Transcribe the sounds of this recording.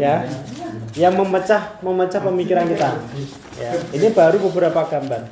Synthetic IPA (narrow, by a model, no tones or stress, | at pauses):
ja | jaŋməmət͡ʃahməmət͡ʃahpəmikiɾankit̪a | ainib̥aɾubə̤bəɾapaɡ̥amban